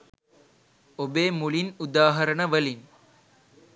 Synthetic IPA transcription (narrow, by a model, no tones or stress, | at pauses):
obeːmulinud̪aːɦɐɾəɳəʋəlin